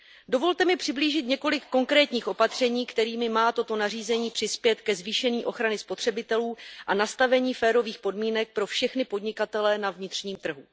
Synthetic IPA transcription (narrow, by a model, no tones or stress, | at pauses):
do̞vo̞lt̪ɛmɪpr̥ɪbliːʒɪt̪ɲɛko̞lɪkːo̞ŋkɾɛːt̪ɲiːxʔo̞pat̪r̝̥ɛɲiːkt̪ɛɾiːmɪmaːt̪o̞t̪o̞nariːzɛɲiːpr̥ɪspjɛt̪kɛzviːʃɛɲiːʔo̞xɾanɪspo̞t̪r̥ɛbɪt̪ɛluːʔanast̪avɛɲiːfɛːɾo̞viːxpo̞dmiːnɛk̚pɾo̞fʃɛxnɪpo̞dɲɪkat̪ɛlɛnavɲɪt̪r̥ɲiːmt̪r̩ɦu